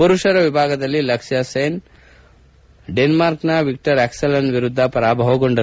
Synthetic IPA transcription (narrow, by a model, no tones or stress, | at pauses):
puɾuʂɐɾɐʋibʱaːɡɐd̪ɐlːilɐkʂjɐseːn | ɖenmaːɾknɐʋik̚ʈɐɾeksɐlɐnʋiɾud̪ʱːɐpɐɾaːbʱɐɦoɡoɳɖɐɾ